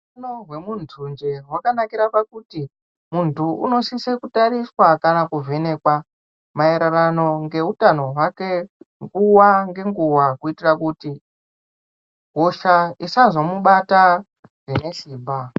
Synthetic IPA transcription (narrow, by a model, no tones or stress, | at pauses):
unoɦwe̞muntʰund͡ʒewakanakiɾapakuti | muntuṵno̞sisekutaɾiswakanakuve̞ne̞kwa | maeɾarano̞ŋɡe̞utano̞wakeŋɡuwaŋɡe̞ŋɡuwakuitirakuti | ɦoʃaisazomuɓata | rine̞ʃiːmba